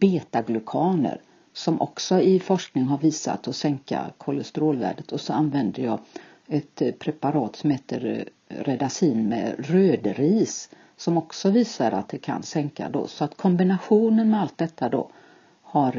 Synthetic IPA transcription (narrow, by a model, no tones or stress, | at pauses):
b̥eːt̪aɡlɵkʰɑːnə̰ɾ | sɔmʔɔ̰ksɔɪfɔʂknɪŋɦaɾviːsa̰t̪ːɔsɛŋka̰kʰɔləst̪ɾoːlvæ̰ːɖət̪ʰɔsɔanvɛnd̪əjɑː | ɛt̪pʰɾɛpaɾɑːt̪sɔmheːt̪əɾ | ɾɛd̪asiːnmɛ̰ɾøːd̪ɾiːs | sɔmɔksɔviːsaɾa̰t̪̚d̪ɛkʰa̰nsɛŋka̰d̪o̰sɔat̪kʰɔmbɪnaɧuːnənmɛalt̪̚d̪ɛt̪ʰːad̪o̰ | haɾ